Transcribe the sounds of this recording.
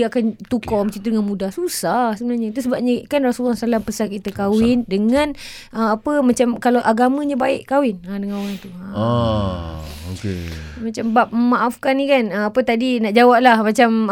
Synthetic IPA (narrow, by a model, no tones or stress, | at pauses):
akant̪ukɔmət͡ʃit̪udəŋanmudahsusahsəbənarɲat̪usəbap̚ɲakanrasulːɔsalampəsankit̪akawɪndəŋãn | ʔəapəmat͡ʃamkalaʔaɡamãɲabaɪʔkawɪnadəŋanwaŋt̪uaa | okḛmat͡ʃambap̚məmaʔafkanikanəapət̪adinaʔd͡ʒawap̚lahmat͡ʃam